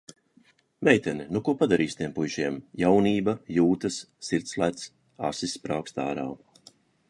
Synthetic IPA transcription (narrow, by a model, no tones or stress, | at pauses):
mʲɛjt̪ʲɛninukuɔpad̪aɾiːsʲt̪ʲiɛmpujʒiɛmjawniːbɐjuːt̪ɐsːiɾt̪slˠat̪s | a̰sisːpɾaːkst̪aːɾa̰ː